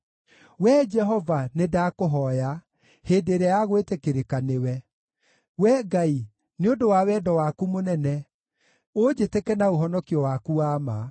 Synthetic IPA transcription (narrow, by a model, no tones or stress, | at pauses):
wɛd͡ʒɛɦɔvanedakoɦɔja | heːdeɾɛajaɣwetekeɾekanewɛ | wɛɡai | neodowawɛːdɔwakumonɛnɛ | od͡ʒetekɛnaoɦɔnɔkiɔwakuaːma